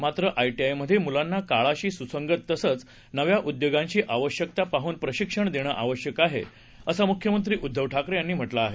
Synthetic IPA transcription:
mat̪ɾəʔajʈiajməd̪ʱjemulanːakaɭaɕiːsusəŋɡət̪ːəsət͡s | nəʋjaʔud̪joɡãɲt͡ɕiːʔaʋəɕjək̚t̪apaɦuːnpɾəɕikʂəɳd̪eɽ̃əʔaʋəɕjəkaɦḛ | əsamukʰjəmənt̪̬ɾiːʔud̪ʱːəʋʈʰakɾəjanːiːm̤əʈlaːɦe

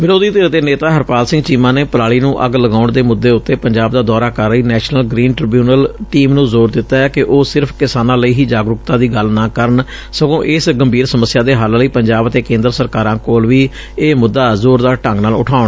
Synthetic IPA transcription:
ʋɪɾoːd̪iːt̪eːɾd̪eːneːt̪aːɦəɾpaːlsɪ̃ŋɡt͡ʃiːmãːneːpəɾaːɭiːnũːʔəɡləɡaːʊɳd̪eːmʊd̪ːeːʊt̪ːeːpəɲd͡ʒaːb̚d̪aːd̪ɔːɾaːkəɾəiːnɛːʃnəlɡɾiːnʈɾɪbjuːnəlʈiːmnũːzoːɾd̪ɪt̪ːaːɛːkɪʔoːsɪɾpʰkɪsaːnãːləiːɦiːd͡ʒaːɡɾʊkt̪ãːd̪iːɡəlnãːkəɾəɳ | səɡõːʔɪsɡəmbʱiːɾsəməsːɪjaːd̪eːɦalləiːpəɲd͡ʒaːbət̪eːkẽːnd̪əɾsəɾkaːɾãːkoːlʋiː | eːmʊd̪ːaːzoːɾd̪aːʈə̃ŋɡnaːlʊ̰ʈʰaːʊɳː

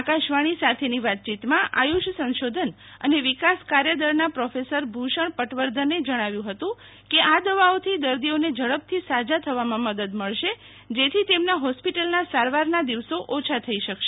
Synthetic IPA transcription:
akaʃʋaɽ̃isat̪ʰeniʋat̪̚t͡ʃit̪mãʔa̰juʃsə̃nʃod̪ʱən | ə̰neʋikaskaɾjəd̪əɾnapɾɔfesəɾbʱuʃəɳpəʈʋəɾd̪ʱəned͡ʒəɽ̃aʋjũɦət̪ũ | keʔad̪əʋaot̪ʰid̪əɾd̪ioned͡ʒəɭəb̚t̪ʰisad͡ʒat̪ʰəʋamãməd̪əd̪məɭʃe | d͡ʒet̪ʰit̪emnaɦɔspiʈəlnasaɾʋaɾnad̪iʋsoʔot͡ʃʰat̪ʰəiʃəkʃe

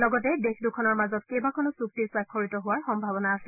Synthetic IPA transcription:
lɔɡɔtɛdexʰdukʰɔnɔɹmazɔt̚kejbakʰɔnɔsuk̚tiɹswakʰːoɹitɔɦʊwaɹxɔmbʱabɔnaːsɛ

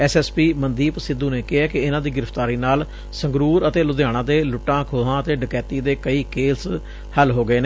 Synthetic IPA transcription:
ɛːsɛːspiːmənd̪iːpəsɪd̪ũːneːkɪɦɛːkɪɪnãːd̪iːɡɪɾəft̪aːɾiːnaːl | səŋɡɾuːɾət̪eːlʊd̪jaːɽ̃ãːd̪eːlʊʈːãːkʰoːɦãːət̪eːɖɪkɛːt̪iːd̪eːkəiːkeːs | həlɦoːɡəeːneː

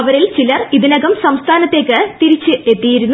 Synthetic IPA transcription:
ɐʋɐɾilt͡ɕilɐriðinɐɣɐmsɐmst̪ʰaːnɐt̪ːe̞ːkːɨt̪iɾit͡ɕːɨʔe̞t̪ːijiɾunː

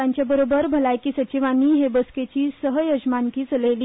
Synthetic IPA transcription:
aɲt͡ɕjabəɾobəɾbʱəlajkiːsət͡ɕiʋaniːɦebəsket͡ɕiːsəɦjəd͡ʑmaŋkiːt͡səleliː

